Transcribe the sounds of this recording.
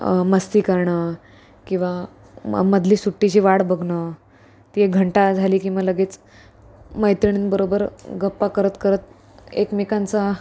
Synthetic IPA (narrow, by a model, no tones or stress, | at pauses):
məst̪iːkəɾɳəː | kĩw̃ʋa | məd̪ʱliːsuʈːit͡ɕiːʋaɽbəɡʱɳə | t̪ieɡʱəɳʈad͡zʱaliːkĩw̃ʋaləɡeːt͡s | məjt̪ɾiɳ̃inbəɾobəɾɡəpːakəɾət̪kəɾət̪ | ḛkmikant͡sa